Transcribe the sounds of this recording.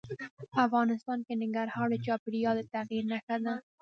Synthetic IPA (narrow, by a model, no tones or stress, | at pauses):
pəafɣɑnɪst̪ɑnkenɪŋɡaɾhɑɾd̪ət͡ʃɑpɪɽijɑd̪et̪aɣiɾnaxad̪a